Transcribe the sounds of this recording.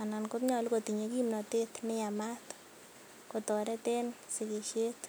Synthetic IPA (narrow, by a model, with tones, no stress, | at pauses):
a˨na˨nko˦tɲɔ˨lko˨t̪i˨ɲe˨ki˦mnɔ˨t̪e˦t̪nɪ˦ja˨mat | ko˨t̪o˨ɾɛ˦t̪e˦nsɪ˨ke˨ʃe˦t̪